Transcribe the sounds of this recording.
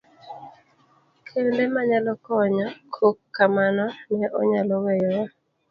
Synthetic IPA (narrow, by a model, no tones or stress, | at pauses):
kʰendemaɲalɔkɔɲakʰokːamanɔnɛʔɔ̰ɲalɔwɛjɔja